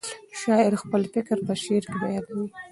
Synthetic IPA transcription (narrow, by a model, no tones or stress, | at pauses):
ʃɑɪɾxpəlfɪkɾpəʃeɾkɪbajɑd̪awi